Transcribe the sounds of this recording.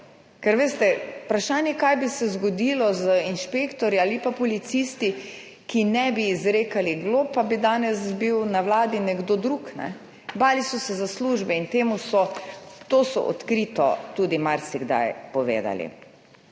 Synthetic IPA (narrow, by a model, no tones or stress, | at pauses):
kɛɾʋeːst̪ɛupɾaʃaːnjɛkajbisɛzɡɔd̪ilɔzəinʃpeːkt̪ɔɾjiaːlipapɔlit̪sist̪i | kinɛbiːzɾeːkaliɡlopabid̪aːnɛsbiwnawlaːd̪inɛɡd̪od̪ɾuknɛ̰ | baːlisɔsɛzasluːʒbɛint̪eːmusɔt̪osɔ̰ʔɔ̰t̪kɾit̪ɔ̰t̪uːd̪imaɾsiɡd̪a̰jpɔʋḛːd̪a̰lḭ